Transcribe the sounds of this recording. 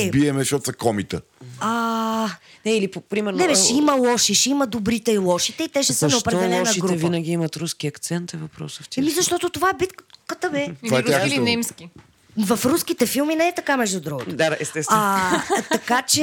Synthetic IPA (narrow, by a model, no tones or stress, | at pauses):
biɛmɛʃɔt̪sɐkɔmit̪əa | nɛilippɾimɛɾnnɛbɛʃɛimɐlˠɔʃiʃɛiməd̪obɾit̪ɛilˠɔʃit̪ɛit̪ɛʃɛsənɛopɾɛɔɛlˠɛɔʃɐitɡɾuɛvinɐɡ̟iimɐt̪ɾuskiɐkt̪sɛnt̪ɛvɐpɾɔ̰səfʲɛmizɐʃt̪ɔt̪ot̪ovaɛbit̪kkət̪əbɛvaɾanɛmskʲi | vɐfɾuskit̪ɛfilˠminɛɛt̪ɐkamɛʒd̪ud̪ɾuɡot̪d̪ad̪aʔɛst̪ɛsat̪ɐkat͡ʃɛ